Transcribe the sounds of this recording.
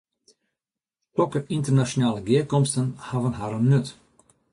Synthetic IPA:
tɔkəɾɪnt̪əɾnaʃʊnɑːləɡeːkɔmst̪ənhaːvənɦaɾənnɵt̪

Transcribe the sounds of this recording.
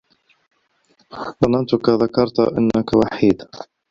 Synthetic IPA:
bɑnɑnt̪ʊkaðakɑɾˤt̪ʔɪ̰nːakawaħiːd̪

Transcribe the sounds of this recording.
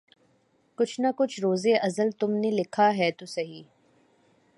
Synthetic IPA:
kʊt͡ʃʰnakʊt͡ʃʰɾoːzeʔɐzəlt̪ʊmnelɪkʰaɦɛːt̪usɐɦiː

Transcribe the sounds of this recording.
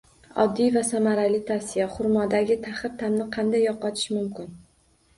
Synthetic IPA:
ɒ̰d̪ːijvasamaɾalɪt̪ʰasijaχʊɾmɒd̪aɡʲɪt̪ʰaχɨɾt̪ʰamnɪqʰɑnd̪ajːɒqɒt̪ʰɪ̥ʃmʊmkʲɪn

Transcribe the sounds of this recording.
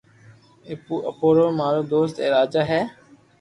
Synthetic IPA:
eːpuːʔəpoːɾoːmaːɾoːd̪oːst̪eːɾaːd͡ʒaːɦɛː

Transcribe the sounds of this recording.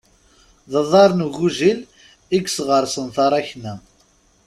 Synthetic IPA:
ðəðˤɑɾˤnuɣuʒil | iɡsʁəɾˤsənθɑɾˤæçnæ

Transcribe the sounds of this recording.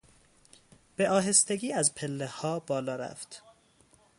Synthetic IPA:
b̥e̞ʔɒːɦe̞st̪e̞ɡiːæzpʰe̞lːehɒːbɒːlɒːɾæ̰ft̪

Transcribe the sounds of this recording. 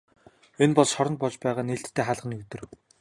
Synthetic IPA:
enpɔɮsɔɾɞ̆n̚pɔt͡ɕpæːʁaːneɬt̪ʰːeːχaːɮʁə̆niut̪ɵ̆r

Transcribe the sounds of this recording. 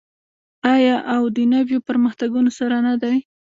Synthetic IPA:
ɑjɑʔawd̪ənabjopəɾməxt̪aɡunosaɾanad̪aj

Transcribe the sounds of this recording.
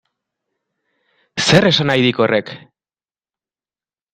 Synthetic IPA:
se̞re̞sanajðiko̞rʔe̞k

